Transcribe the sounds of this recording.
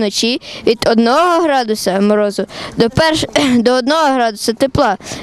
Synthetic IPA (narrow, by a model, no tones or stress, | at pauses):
nɔt͡ʃiʋʲid̪ɔd̪nɔɦɔɦɔɦɾɑd̪ʊsɐmɔɾɔzʊd̪ɔpɛrʃd̪ɔɔd̪nɔɦɔɦɾɑd̪ʊsɐt̪eplˠɑ